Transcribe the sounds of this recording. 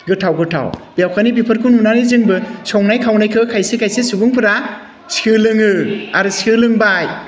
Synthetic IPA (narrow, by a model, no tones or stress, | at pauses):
ɡɯtʰawɡɯtʰa̰wbijawkʰanibipʰɯɾkʰununanizɯŋbɯsɔŋnajkʰawnajkʰɯkʰajsekʰajsesubuŋpʰɯɾa | skʰɯlɯŋɯaɾɯskʰɯlɯŋbaj